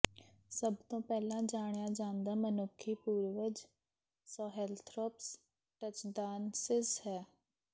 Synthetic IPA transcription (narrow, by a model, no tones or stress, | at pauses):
səbt̪õːpɛːlãːd͡ʒaːɽjaːd͡ʒãːnd̪aːmənʊkʰːiːpuːɾʋəd͡ʒ | sɔːɦɛːlt̪ʰɾɔːps | ʈət͡ʃɖaːnsɪshɛː